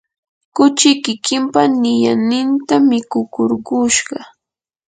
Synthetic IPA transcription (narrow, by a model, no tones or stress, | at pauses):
kʊt͡ʃɪkɪkɪmpanɪjanɪnt̪amɪkʊkoɾɢʊʃɢɑ